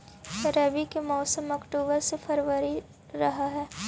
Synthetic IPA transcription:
kɐɾeːbikemɔːsəmɐkʈuːbəɾsefʰɐɾʋəɾi | ɾɐɦaɦɛː

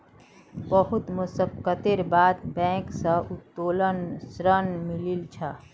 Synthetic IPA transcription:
bəɦʊt̪mʊsəkət̪eɾbaːd̪bɛ̃ːksəʊt̪ːoːlənsɾənmɪlilt͡ʃʰa

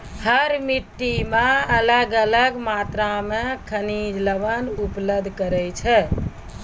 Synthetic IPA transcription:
həɾmiʈːimeələɡələɡmat̪ɾamekʰənid͡ʒləʋənupləd̪ʱkəɾɛjt͡ʃʰɛ

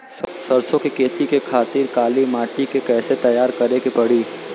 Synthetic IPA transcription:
ssɐɾsõkekʰeːt̪ikekʰaːt̪iːɾkaːlimaːʈikekɛːset̪ɐjaːɾkɐɾekepɐɽiː

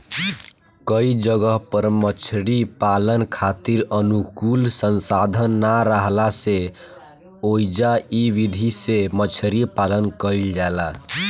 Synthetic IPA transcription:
kəid͡ʒəɡəɦpəɾmət͡ʃʰɾipalənkʰat̪iɾənukulsənsad̪ʱənːaɾəɦlase | oid͡ʒaiʋid̪ʱisemət͡ʃʰɾipalənkəild͡ʒala

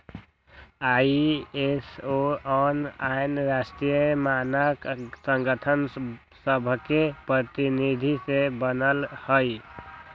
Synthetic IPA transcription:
aesoənainɾasʈɾijəmanaksəŋɡət̪ʰən | səbʱkepɾət̪inid̪ʱisebənəlhəj

